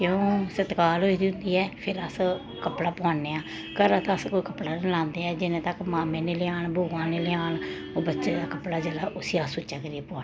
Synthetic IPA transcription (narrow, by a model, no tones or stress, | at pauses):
kjõːsət̪kaːlɦoːiːd̪iʊnd̪iːɛːpʰɪɾəs | kəpɽaːpãːnːeːãː | kəɾaːt̪ãəskoːiːkəpɽaːnlãːnd̪eɛːd͡ʒɪnẽːt̪əkmaːmẽːneːlɪaːɳbʱoːãːneːlɪaːɳ | oːbətːʃeːd̪aːkəpɽaːd͡ʒeːlaːʔʊsiːaːsʊt͡ʃːaːkəɾiːɛːpaːnː